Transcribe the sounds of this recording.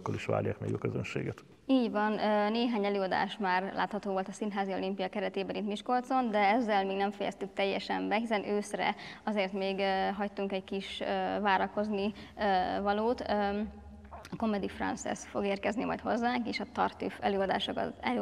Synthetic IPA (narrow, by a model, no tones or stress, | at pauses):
kːoliʃʋa̰ːlja̰ːkmɛ̰ɡjo̰køzø̰nʃḛːɡɛt̪ | iːɟʋɒnøneːɦaːɲɛløːɒd̪a̰ːʃmaːrlʔa̰ːt̪hɒt̪oːvolt̪ɒsinɦaːzio̞limpijɒkɛɾɛt̪eːbɛɾint̪miʃko̞lt̪so̞nd̪ɛɛzːɛlmiːɡnɛɱfɛjɛ̰st̪yk̚t̪ɛjːɛʃɛmbɛɦisɛnøːsrɛ̰ɒzeːrt̪meːɡɦɒct̪uŋkɛckiʃøvaːɾɒko̞zniøvɒloːt̪ø | ɒko̞mɛd̪ifrɒ̰nsɛ̰sfo̞ɡeːrkɛznimɒ̰jt̪hozːaːŋkeːʃɒt̪ɒrt̪yfɛløːɒd̪aːʃokɒ̰t̪ɛlø